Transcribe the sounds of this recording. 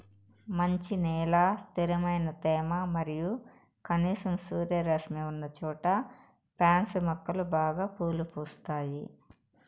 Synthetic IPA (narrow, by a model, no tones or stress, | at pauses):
mɐɲt͡ʃinɛːlaːst̪iɾɐmɐjnɐt̪ɛːmamɐɾiju | kɐniːsɐmsuːɾjɐɾɐsmiunːɐt͡ʃuːʈɐ | pɾaːnsumɐkːɐlubaːɡaːpuːlupuːst̪aːji